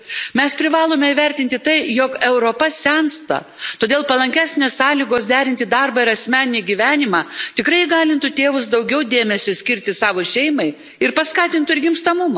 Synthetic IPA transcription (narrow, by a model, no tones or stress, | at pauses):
mʲɛspʲɾʲɪʋɑːlˠoːmʲɛiʋʲɛɾʲt̪ʲɪnʲt̪ʲɪt̪ɐɪjoːkɛʊɾopɐsʲænst̪ɐ̰ | t̪oːd̪ʲeːlˠpɐlˠɐŋʲkʲæːsʲnʲeːssɑːlʲiːɡoːsd̪ʲæːɾʲɪnʲt̪ʲɪd̪ɑrbɐɪɾɐsʲmʲæːnʲɪnʲiːɡʲiʋʲæːnʲɪmɑːt̪ʲɪkɾɐɪɡɑːlʲɪnt̪ʊt̪ʲeːʋʊsd̪ɐʊɡʲɛʊd̪ʲeːmʲɛsʲosʲkʲɪɾʲt̪ʲɪsɑːʋoːʃʲɛɪmɐɪ | ɪɾpɐskɑːt̪ʲɪnt̪ʊɪɾɡʲɪmst̪ɐmʊmɐ